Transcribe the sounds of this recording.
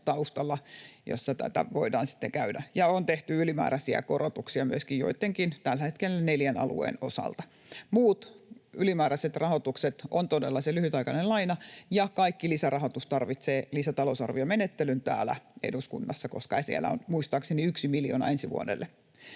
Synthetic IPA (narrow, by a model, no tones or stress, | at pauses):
t̪ɑust̪ɑlːɑjo̰sːɑt̪æ̰t̪æ̰ʋoidɑ̰ːnsi̥t̪ːeŋkæydæjɑont̪eht̪yylimæ̰ːɾæsiæ̰korot̪uksiɑmyøskijjo̰it̪ːeŋkint̪ælːæhet̪kelːæneljænɑ̰lṵḛːnosɑ̰lt̪ɑ | muːt̪ylimæːɾæset̪rɑhot̪ukset̪ont̪odelːɑselyhyt̪ɑikɑnellɑinɑjɑkɑikːilisærɑhot̪ust̪ɑrʋit̪seːlisæt̪ɑlosɑ̰rʋiɑmenet̪ːelynt̪æ̰ːlæ̰ḛduskṵnːɑsːɑkoskɑesiæ̰læ̰o̰nmuist̪ɑːkseniyksimiljo̰ːnɑ̰ensiʋṵo̰dḛlːe